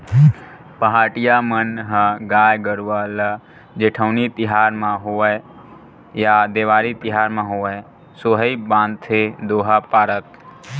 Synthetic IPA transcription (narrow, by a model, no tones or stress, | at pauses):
pəɦaːʈɪjamənɦə̃ɡaːjɡəɾuʋalə | d͡ʒeːʈʰəʊnit̪ɪɦaːɾmãɦoəj | jad̪eːʋaːɾit̪ɪɦaːɾmãɦoə | soɦəibãːnd̪t̪ʰed̪oːɦapaːɾət̪